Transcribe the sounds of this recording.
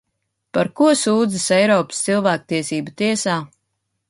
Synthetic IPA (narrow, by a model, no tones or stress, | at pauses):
paɾkuɔsuːd̪zisɛjɾɔːpst̪silˠvæːk̚t̪iɛsiːbat̪iɛsaː